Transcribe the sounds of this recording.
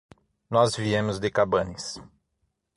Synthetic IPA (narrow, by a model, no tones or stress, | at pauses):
nɔzviẽmʊzd̪ɪkabɐ̃nɪs